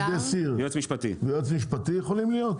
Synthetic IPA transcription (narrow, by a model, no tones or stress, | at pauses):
desiʁjot͡smiʃpat̪ḭvejot͡smiʃpat̪ijeχolimlijot̪